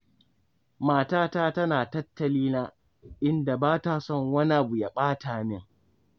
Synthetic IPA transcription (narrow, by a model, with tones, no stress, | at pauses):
maː˦˨taː˦taː˦tɐ˦naː˨tɐ˦tːɐ˨liː˦na˦ | ʔɪ˦nda˨baː˦ta˨sɔ˦˨ŋwɐ˦ni˦ʔa˨bu˨ja˨ɓaː˦taː˨nɪ˦˨ŋ